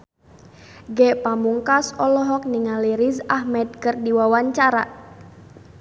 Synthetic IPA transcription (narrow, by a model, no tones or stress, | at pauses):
ɡɛʔpamuŋkasɔlɔɦɔk̚niŋaliɾizahmɛt̪̚kərdiwawaɲt͡ʃaɾa